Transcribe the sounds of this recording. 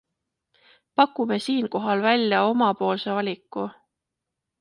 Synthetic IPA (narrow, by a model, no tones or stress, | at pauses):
pɑkːume̞siːnko̞ɦɑlvælʲːjɑo̞mɑpo̞ːlse̞vɑlʲikːˑu